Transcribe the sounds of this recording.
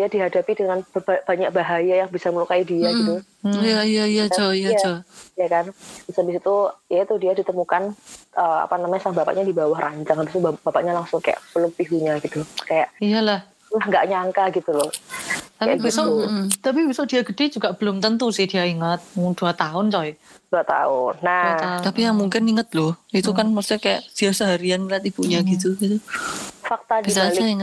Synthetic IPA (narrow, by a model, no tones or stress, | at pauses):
diadiɦadapidəŋanbbb̥aɲak̚baɦajajaŋbisaməlukaidiaɡit̪u | jaijaijad͡ʒɔijad͡ʒojakanb̥isabisit̪uijat̪udiadit̪əmukanʔəa̰panamaɲasaŋbapa̰ʔɲadibawahrʔaɲt͡ʃaŋabist̪ubb̥apaʔɲalaŋsʊŋka̰ja̰ʔpəlʊk̚piɦuɲaɡit̪ukajaʔijalah | lahŋɡaʔɲaŋkaɡit̪ulɔht̪aibisɔt̪ap̬ibisɔd̥iaɡəd̥ed͡ʒuɡaʔb̥əlʊmt̪ənt̪usɪhd̥iaiŋət̪̚d̥uat̪aʊnt͡ʃɔjd̥uat̪a̰ʊnːaaat̪apijaŋmuŋkɪniŋət̪̚lʊit̪ukanməst̪ikaja̰ʔd̥iasəɦaɾianlat̪ibuɲaɡit̪uɡit̪ufak̚t̪adbis̬alsaiŋə